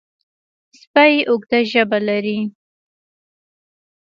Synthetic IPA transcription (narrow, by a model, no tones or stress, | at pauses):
spajʔʊɡd̪aʒəbalaɾi